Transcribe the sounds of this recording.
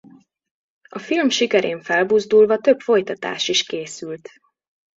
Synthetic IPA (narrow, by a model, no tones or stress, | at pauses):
ɒfilmʃikɛɾeːɱfɛlbuzd̪ulvɒt̪ø̞pfo̞jt̪ɒt̪a̰ːʃiʃkeːsylt̪